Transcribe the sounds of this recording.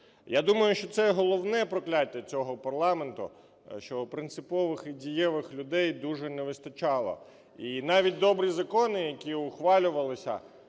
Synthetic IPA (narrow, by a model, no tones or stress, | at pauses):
jad̪umɐjʊʃt͡ʃɔt̪sɛɦɔlˠɔwnɛpɾɔklʲatʲːɐt͡sʲɔɦɔpɐrlˠɑment̪ʊ̰ | ʃt͡ʃɔpɾɪnt̪sɪpɔʋɪxidʲijɛʋɪxlʲʊd̪ɛjd̪uʒɛnɛʋɪst̪ɐt͡ʃɑlˠɔ̰ | inɑʋʲit̚ʲd̪ɔbɾizɐkɔnɪjɐkʲiʊxʋɑlʲʊʋɐlˠɪsʲɐ̰